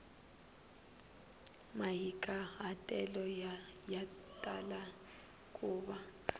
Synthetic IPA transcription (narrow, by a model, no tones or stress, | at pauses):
majikʼaɦatʼɛlɔjatʼala | kʼuːɓa